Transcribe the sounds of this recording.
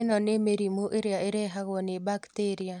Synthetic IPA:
nɔnemeɾimoʔeɾiaeɾeɦaɣɔnɪbakteɾia

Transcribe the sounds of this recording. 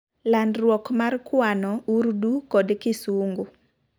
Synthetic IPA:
landɾwɔkmarkwanɔuɾdukɔdkɪsuŋɡu

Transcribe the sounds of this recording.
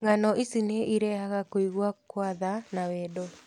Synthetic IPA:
ŋanɔʔisineʔiɾɛhaɣakoiɣwakwaðanawɛːdɔ

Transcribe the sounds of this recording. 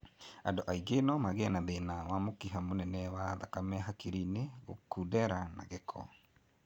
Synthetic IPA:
andoʔaiɡenɔmaɣeanaðenawamokiɦamonɛnɛwaðakamɛɦakeɾineɣo̰kudɛɾana̰ɣekʰɔ̰

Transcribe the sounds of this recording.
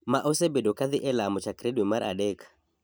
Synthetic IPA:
maʔosɛbedokaðɪʔɛlamɔt͡ʃakɾɛdwimaɾʔa̰ɗɛkḁ

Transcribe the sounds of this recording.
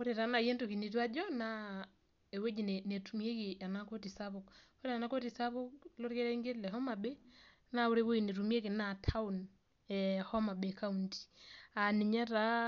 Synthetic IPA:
oɾeɾanajentokinitwad͡ʒɔna | ewed͡ʒinenetumjekianakotisaβok | oɾeanakotisaβukloɾkeɾɛŋɡelɛɦɔmabe | naoɾeweinetumiekinatʰaun | ɛhɔmabekaunti̥aniɲaɾa

